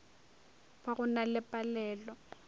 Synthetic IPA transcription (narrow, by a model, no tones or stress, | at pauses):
paɣʊnalɪpʼalɛːlɔ